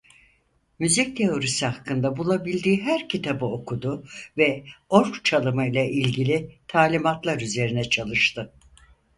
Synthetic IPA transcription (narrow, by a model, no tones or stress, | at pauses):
myzic̚t̪ʰe̞o̞ɾisihakʰːɯnd̪abulˠabilʲd̪iːɦæɾcʰit̪ʰabɯo̞kʰud̪ʊvɛo̞ɾkt͡ʃʰalˠɯmɯjilʲˠaʔilʲɟilʲit̪ʰaːlʲimat̪lˠaɾyze̞ɾinɛt͡ʃʰalˠɯʃt̪ɯ